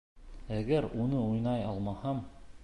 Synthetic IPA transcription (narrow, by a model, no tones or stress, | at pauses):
æɡæɾunɤujnɑjɑlˠmɑhɑm